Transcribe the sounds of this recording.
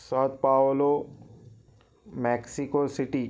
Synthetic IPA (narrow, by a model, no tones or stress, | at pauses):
sawt̪̚paːolo | mɛːksikosɪʈiː